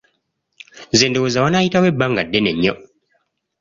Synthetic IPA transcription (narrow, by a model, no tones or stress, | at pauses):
zeːndewozawanajitawebːaŋɡadːeneɲːo